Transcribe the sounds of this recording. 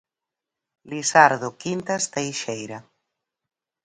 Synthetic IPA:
lisaɾðokint̪ast̪ejʃejɾa

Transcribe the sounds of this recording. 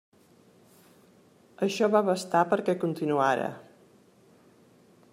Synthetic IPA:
əʃɔβaβəst̪apəɾkɛkunt̪inuaɾə̰

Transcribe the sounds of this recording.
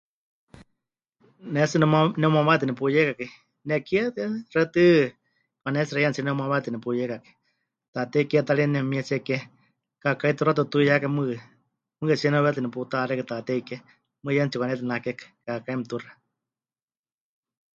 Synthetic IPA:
nɛsɨnɛmanɛumawat̪ɨnɛpujɛkaki | nɛkiɛt̪rɛt̪ɨ | panɛsiɾajant͡ʃinɛumawat̪ɨnɛpujɛkaki̥ | t̪at̪ɛikiɛt̪alinɛmiɛsiɛkɛ | kakait̪uɾat̪ut̪ujakamɨ | mɨkɛsiɛnɛβɛt̪ɨnɛput̪aɾɛkɨt̪at̪ɛikɛ | mɨjant͡sikʷwanɛt̪ɨnakɛkḁkakaimt̪ura

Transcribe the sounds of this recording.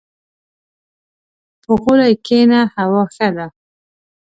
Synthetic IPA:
pʊqʊlajkenahawɑxad̪a

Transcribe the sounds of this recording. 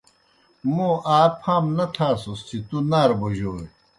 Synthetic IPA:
mũʔaːpʰaːmnɐt̪ʰaːsust͡ɕʰit̪unaːɾboʑoːe

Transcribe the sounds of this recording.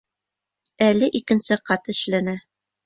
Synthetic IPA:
ælɘʔikɘ̆nsɘqɑt̪ɘ̆ʃlænæ

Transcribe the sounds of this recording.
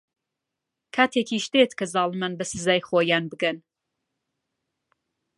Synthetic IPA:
kʰaːt̪ʰeːkʰiʃt̪et̪kʰɐzɑːlˠɨmanbɐsɨzaːjχoːjaːnbɨɡɐn

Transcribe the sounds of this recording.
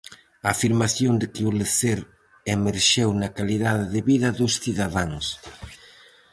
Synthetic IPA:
aːfiɾmaθjond̪ɪkɪoleθeɾ | emeɾʃewnɐkaliðaðɪðeβiðɐðusθiðaðaŋs

